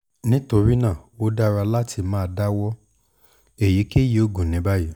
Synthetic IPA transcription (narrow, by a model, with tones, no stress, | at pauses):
nĩ˦to˧ɾi˦nãː˦˨wo˦da˦ɾa˧la˦tʰi˧mãː˦˧da˦wɔ˦ | e˨ji˨˦ke˦je˦o˧ɡũ˨nĩ˨˦ba˦ji˦